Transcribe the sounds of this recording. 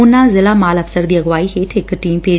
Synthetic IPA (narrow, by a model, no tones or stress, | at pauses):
ʊnːãːzɪlaːmaːləfʰsəɾd̪iːəɣʋaːiːɦeːt̪ʰɪkʈiːmpeː